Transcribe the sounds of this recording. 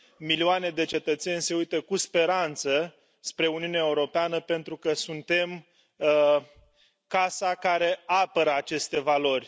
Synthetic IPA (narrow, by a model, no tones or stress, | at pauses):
milioane̞d̪e̞t͡ʃe̞t̪ət̪se̞nʲse̞ujt̪əkuspe̞ɾant̪sə | spɾe̞uniuneaeuɾo̞peanəpe̞nt̪ɾukəsunt̪e̞m | kasakaɾe̞apəɾəat͡ʃe̞st̪e̞valo̞rʲ